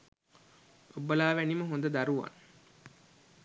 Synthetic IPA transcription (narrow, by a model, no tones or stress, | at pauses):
obːəlaːʋæniməɦond̪əd̪ɐɾuʋa̰ŋ